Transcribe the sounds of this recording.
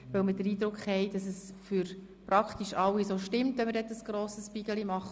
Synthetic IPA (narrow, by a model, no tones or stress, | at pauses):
ʋœlməd̥əɾiːdɾʊkχhɛɪd̥ɑsəsfyɾ | pɾɑkχt̪iʃɑwisoːʃtɪmtœməɾdɛtəsɡ̥ɾoːsəspiɡ̥əlimɑχ